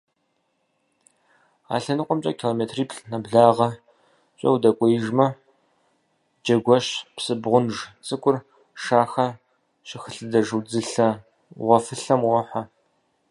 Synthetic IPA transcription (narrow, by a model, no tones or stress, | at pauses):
a̰ːɬɐnɨqʷɔmt͡ʃʼɐ̰kʰiloːmeːtʰriːpɬnɐbɮaːʁɐ | ɕʷʼɐ̰wdɐkʷʼɔjɪʒmɐ | d͡ʒɐɡʷɔɕpsɨbʁʷʊnʒt͡sʼɨkʷʼʊr | ʂaːxɐ | ɕɪxəɬɨdɐʒɨwd͡zɨɬɐ | ʁʷɔfɨɬɐmʁɔħa